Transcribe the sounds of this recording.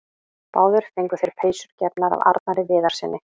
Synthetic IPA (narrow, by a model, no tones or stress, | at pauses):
paːwðʏɾ̥θejŋkʏ̥θejɾ̥pʰeːjsʏɾ̥cɛpnaɾa̰va̰ɾt̪̚naɾɪvɪːðaɾ̥sɛnːɪ